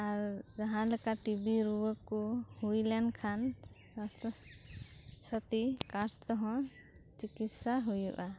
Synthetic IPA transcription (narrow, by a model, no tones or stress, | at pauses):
aɾzaɦãlekaʈibiɾuwəkuhujlankʰan | ɔst̪ɔ | sɔt̪ikast̪ɔɦɔ̃ | t͡ʃikit̪saɦujṵʔa